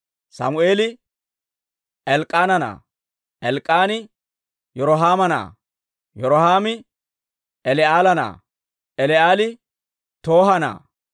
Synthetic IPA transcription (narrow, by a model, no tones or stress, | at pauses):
sɐ̰mʊeːlɪ | ɛlkʼːaːnɐna̰ː | ʔɛlkʼːaːnɪ | jɔɾɔɦaːmɐna̰ː | jɔɾɔhaːmɪ | ɛlɛaːlɐna̰ː | ɛlɛaːlɪ | t̪o̞ːɦɐna̰ː